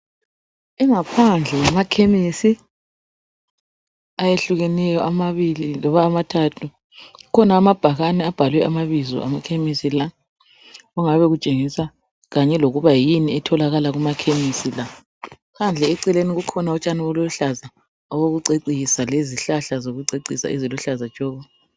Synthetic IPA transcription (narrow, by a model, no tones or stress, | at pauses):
ɛŋapʰand͡ɮʱɛwamakʰemisi | ajeɬuɣɛnɛjɔʔamaβililɔβaːmatʰatʰu | ukʰɔnaːmab̥ʱaɣanɛab̥ʱalwɛʔamaβizɔ̰ʔa̰makʰemisila | ɣuŋaβɛɣut͡ʃʼeŋisa | ɣaɲɛloɣuβajiniɛtʰɔlaɣalaɣumakʰemisila | kand͡ɮʱɛɛǀɛleniɣukʰɔnaɔt͡ʃʼaniɔlɔɬaza | ɔɣoɣuǀeǀiisaleziɬaɬazoɣuǀeǀisa̰iziluɬazḁt͡ʃʼɔːβɔ